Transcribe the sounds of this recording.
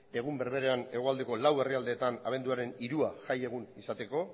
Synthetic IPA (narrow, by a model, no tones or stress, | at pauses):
e̞ɣ̞umbe̞ɾβe̞ɾe̞ane̞ɣ̞oald̪e̞ko̞lawe̞riald̪e̞ːt̪ana̰β̞e̞nd̪uaɾe̞niɾuaʝaje̞ɣ̞unisat̪e̞ko̞